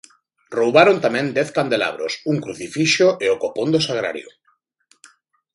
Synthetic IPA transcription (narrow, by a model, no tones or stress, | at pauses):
rowβaɾont̪amɛ̃nd̪ɛθkand̪ela̰β̞ɾo̰suŋkɾuθifiʃoʔeokopond̪osaɣ̞ɾa̰ɾjo̰